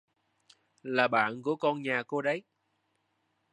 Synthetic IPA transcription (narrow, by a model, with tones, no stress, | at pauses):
laː˨˩ɓa̰ː˧˨nku˧˩əkɔ˧nɲaː˨˩ko˧ɗə˨˦j